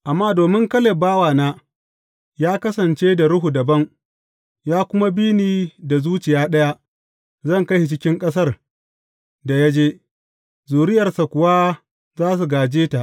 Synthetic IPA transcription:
ʔa˨mːaː˦doː˨mɪ˦ŋkɐ˦le˨baː˦waː˨naː˦ | jaː˦kɐ˦sɐ˨nt͡ʃeː˦da˨ɽʊ˦ɦu˨dɐ˨bɐ˦ŋ | jaː˦kʷʊ˦ma˦biː˦niː˨da˨zuː˦t͡ʃɪ˨jaː˦ɗɐ˦ja˦ | zɐ˦˨ŋkɐ˦hi˨t͡ʃɪ˦kʲɪ˦ŋkʼɐ˦s̬ɐ˦r | da˨ja˦d͡ʒeː˦ | zuː˨ɾɪ˦jɐ˨rsa˨kʷʊ˨wa˦ | zaː˦s̬u˨ɡaː˨d͡ʒeː˦ta˨ʔ

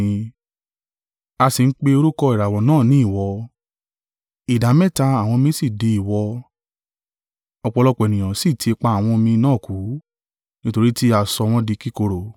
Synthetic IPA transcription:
a˧si˨n̩˦k͡pe˧o˧ɾu˦kɔ˧i˨ɾa˨wɔ̃˨nãː˦˨nĩ˨˦i˦˨wɔ˧ | i˨da˨˦mɛ̃˦˨ta˧a˨w̃ɔ̃˧mĩ˧˦si˦˨de˨˧i˨wɔ˧ | ɔ˧k͡pɔ˧lɔ˧k͡pɔ˨ɛ˨nĩ˨j̃ã˨si˦˨tʰi˧e˧k͡pa˧a˨w̃ɔ̃˧mĩ˧nãː˦˨ku˨˦ | nĩ˦to˧ɾi˦ti˦a˧sɔ˧w̃ɔ̃˧˦di˧ki˦ko˧ɾo˨

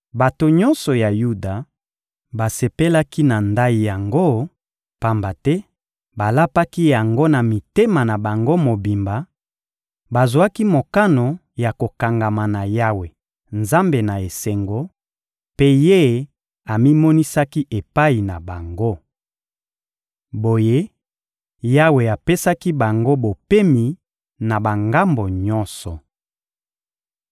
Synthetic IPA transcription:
ba˨to˨ɲɔ˦nsɔ˨ja˨ju˦da˨ | ba˨se˨pe˦la˦ki˦na˨nda˦i˨ja˨ŋɡo˦ | pa˨mba˨tɛ˦ | ba˨la˦pa˦ki˦ja˨ŋɡo˦na˨mi˨te˦ma˨na˨ba˨ŋɡo˦mo˨bi˨mba˨ | ba˨zwa˦ki˦mo˨ka˦no˨ | ja˨ko˨ka˨ŋɡa˨ma˨na˨ja˦we˨ | nza˦mbe˨na˨e˨se˨ŋɡo˨ | pe˦je˦ | a˨mi˦mɔ˦ni˦sa˦ki˦ʔe˨pa˦i˨na˨ba˨ŋɡo˦ | bo˨je˦ | ja˦we˨a˨pe˦sa˦ki˦ba˨ŋɡo˦bo˨pe˦mi˨ | na˨ba˨ŋɡa˦mbo˨ɲɔ˦nsɔ˨

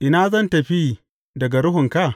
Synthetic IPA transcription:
ʔɪ˨naː˦zɐ˦ntɐ˨ɸiː˦ | dɐ˨ɡa˨ɽʊ˦ɦʊ˨ŋka˦˨

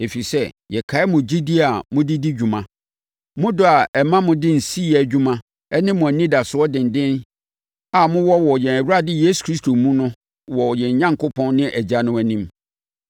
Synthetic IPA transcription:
e˨fi˨sɛ˦jɛ˨kʰa˨˦ɪ˦mʊ̃˨d͡ʑi˦di˦a˨mʊ̃˦di˦di˦d͡ʑᶣu˨mã˨ | mʊ̃˦dʊ˦˨a˨ɛ˨mã˦mʊ̃˦dɪ˦n̩˨si˦˨æ˨d͡ʑᶣu˦mã˦ | ɛ˦nɪ̃˦mːʊ̃˨æ˨nĩ˦da˨sʊ˨ɔ˦dɪ̃˨n˨dɪ̃˦n | a˨mʊ̃˦wɔ˦wɔ˨jɛ̃˨næ˨wu˦a˦dɪ˦jeː˦su̥˨kʰɾi˦stʰo˨mũ˦nʊ̃˦ | wɔ˨jɛ̃˨ɲ˨ɲã˦ŋ˨kʰʊ˦pʰɔ̃˦nnɪ̃˦ʔæ˨d͡ʑa˦nʊ̃˦æ˨nĩ˦m

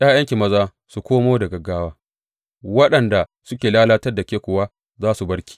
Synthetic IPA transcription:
ʔj̰aː˦jɐ˦ŋkʲi˨mɐ˦zaː˦ | su˨kʷoː˦moː˦dɐ˨ɡɐ˨ɡaː˦waː˦ | wɐ˦ɗɐ˨nda˨ | sʊ˦kʲeː˨laː˦laː˦tɐ˦rda˨kʲeː˦kʷʊ˨waː˦ | zaː˦su˨bɐ˦ɽkʲi̥˨

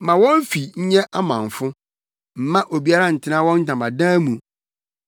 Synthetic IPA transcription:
mã˨wɔ̃˦n˦fi˨ɲ̩˦ɲɛ̃˦ʔa˦mã˨n˨fʊ̃˦ | m̩˨mã˦ʔo˨bi˦a˦ɾa˦n̩˨tʰɪ˦nã˦wɔ̃˦n̩˦dã˨mba˨dãː˦mũ˨

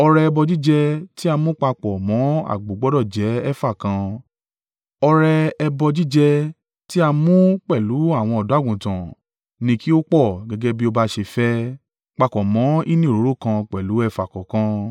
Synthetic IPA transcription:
ɔ˧ɾɛ˧ɛ˧bɔ˧d͡ʒi˦d͡ʒɛ˧ti˦a˧mũ˦k͡pa˧k͡pɔ˨mɔ̃˨˦a̰˦˨ɡ͡bo˨˦ɡ͡bɔ˦dɔ˦˨d͡ʒɛ˨˦ɛ˦fa˦˨kã˧ | ɔ˧ɾɛ˧ɛ˧bɔ˧d͡ʒi˦d͡ʒɛ˧ | ti˦a˧mũ˦k͡pɛ˦˨lu˨˦a˦˨w̃ɔ̃˧ɔ˨du˨˦a˦ɡũ˨tã̰˨ | nĩ˧ki˦o˦k͡pɔ˦˨ɡɛ˧ɡe˦bi˦o˧ba˦ʃe˧fɛ˦ | k͡pa˧kɔ˨mɔ̃˨˦i˦nĩ˦˨ɾo˨˦ɾo˦˨kã˧k͡pɛ˨lu˨˦ɛ˧fa˨kɔ˨kã˧˦

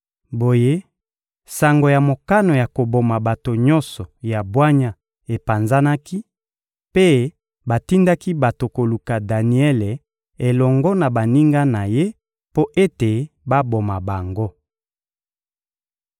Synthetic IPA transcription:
bo˨je˦ | sa˨ŋɡo˨ja˨mo˨ka˦no˨ja˨ko˨bo˨ma˨ba˨to˨ɲɔ˦nsɔ˨ja˨bwa˦ɲa˦ | e˨pa˨nza˦na˦ki˦ | pe˦ | ba˨ti˦nda˦ki˦ba˨to˨ko˨lu˨ka˨da˨ni˨˦ɛ˦le˨ | e˨lɔ˨ŋɡɔ˦na˨ba˨ni˦ŋɡa˦na˨je˦ | po˦ʔe˦te˨ | ba˦bo˨ma˨ba˨ŋɡo˦

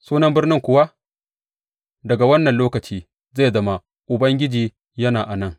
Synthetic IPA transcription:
suː˦nɐ˦mbɪ˦rnɪ˦ŋkʷʊ˨˦wa˦ | dɐ˨ɡa˨wɐ˦nːɐ˨nloː˦kɐ˨t͡ʃiː˦ | ze˦˨zɐ˦ma˦ | ʔʊ˨bɐ˦ŋɡʲɪ˦d͡ʒiː˨˦ | jɐ˦naː˨ʔa˨nɐ˦ŋ

